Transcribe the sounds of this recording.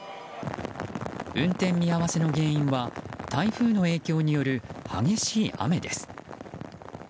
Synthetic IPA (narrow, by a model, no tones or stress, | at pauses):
ɯ̟̃nt̪ẽmːʲijaβase̞no̞ɡẽ̞ːĩɰ̃βat̪ʰaiɸɯ̟ːno̞e̞ːkʲo̞ːɲ̟ijo̞ɾɯ̟ha̰ɡe̞ɕiːʔa̰me̞d̪e̞sɨ̥